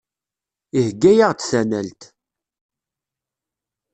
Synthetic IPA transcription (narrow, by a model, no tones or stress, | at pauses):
ihɡːæjaʁt͡ssænælt̪